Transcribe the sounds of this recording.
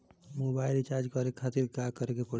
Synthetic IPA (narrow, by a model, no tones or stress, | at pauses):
mobajlt͡ʃaɾd͡ʒkɔɾekʰat̪iɾɡakəɾekepɔ